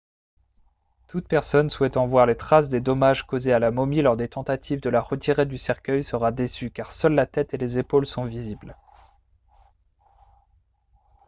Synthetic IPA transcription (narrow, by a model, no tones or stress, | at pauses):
t̪ut̪̚pɛʁsɔnswɛt̪ɑ̃vwaʁlet̪χasd̪ed̪ɔmaʒkozealamɔmilɔʁd̪et̪ɑ̃t̪at̪ʰivd̪əlaʁət̪ʰiʁed̪ysɛʁkʲœjsəʁad̪esykaʁsœlːat̪ɛt̪elezepolsɔ̃vizibl